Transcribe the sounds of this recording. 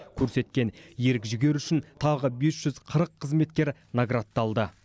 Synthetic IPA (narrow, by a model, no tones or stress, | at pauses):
kʲʰɵɾse̞t̪kʲe̞njeɾɪkʲʒʏɡʲe̞ɾʏʃɪnt̪ʰɑʁəbe̞sʒ̥ʏzqʰəɾəqʰːəzme̞t̪kʲe̞ɾnaɡɾat̪ːɑlˠd̪ə